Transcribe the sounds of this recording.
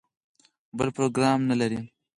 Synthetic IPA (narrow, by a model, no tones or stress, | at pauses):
bəlpɾoɡɾɑːmnalaɾi